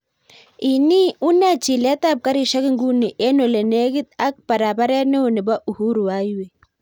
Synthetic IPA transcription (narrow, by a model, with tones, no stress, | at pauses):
i˨ni˦u˦na˦˨t͡ʃi˨la˦t̪a˦˨p̚ka˦ɾi˨ʃa˦ki˦ŋɡu˦ni˨ʔe˦no˨le˨ne˦ɡi˦t̪a˦k̚pa˨ɾa˨ba˦ɾa˦ne˦o˨ni˨ba˦ʔu˨hu˦ɾu˨wa˦jwe˨